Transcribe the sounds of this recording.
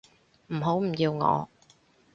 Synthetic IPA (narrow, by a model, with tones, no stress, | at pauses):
m̩˨˩ɦo˨˥wm̩˨˩jiː˧wŋɔ̰ː˨˧